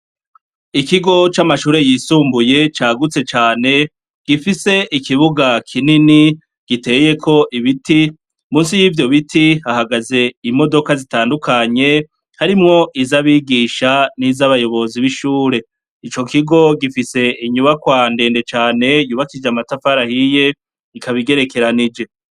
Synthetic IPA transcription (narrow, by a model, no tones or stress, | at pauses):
ikiɡo̞t͡ʃamaʃuːɾe̞jiːsuːmbuje̞t͡ʃaːɡut͡se̞t͡ʃaːne̞ | ɡ̥ifise̞ʔikiβuɡakʰinini | ɡ̥ite̞ːje̞kʰo̞ʔiβiti | muːnsijiːvjo̞βitʰihahaɡaze̞imo̞do̞kazitaːndukʰaɲe̞ | haɾimŋo̞ʔizaβiːɡiːʃanizaβajo̞βo̞ziβiʃuːɾe̞ | it͡ʃo̞kiɡo̞ɡifise̞ʔiɲuβakwaːnde̞ːnde̞t͡ʃaːne̞juːβakid͡ʒamatafaɾahije̞ | ikaβiɡe̞ɾe̞ke̞ɾanid͡ʒe̞